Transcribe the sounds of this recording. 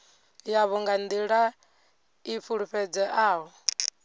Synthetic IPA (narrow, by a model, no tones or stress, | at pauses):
jaβɔŋɡand̪iɺa | ifʰuɺuɸɛd͡zɛʔaːɦɔ